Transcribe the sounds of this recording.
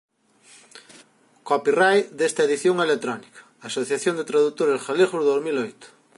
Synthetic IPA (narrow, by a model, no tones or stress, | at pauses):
kopirajd̪est̪ɐeðiθjoŋelet̪ɾɔnikɐ̥asoθjaθjond̪et̪ɾaðut̪oɾesxaleɣozðozmilojt̪ʊ̥